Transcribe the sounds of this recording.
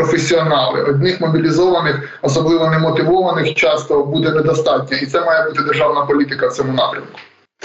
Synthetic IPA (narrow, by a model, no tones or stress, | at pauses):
ɔfesʲːiɔnɑlˠɪ̰ʔɔd̪ʲnɪxmɔbʲilʲizɔʋɐnɪx | ɔsɔblˠɪʋɔnɛmɔt̪ɪʋɔʋɐnɪxt͡ʃɑst̪ɔbud̪ɛnɛd̪ɔst̪ɑtʲnʲɐit̪sɛmɑjɛbut̪ɪd̪erʒɑwnɐpɔlʲit̪ɪkɐw̪t͡sʲɔmʊnɑpɾʲɐmkʊ̥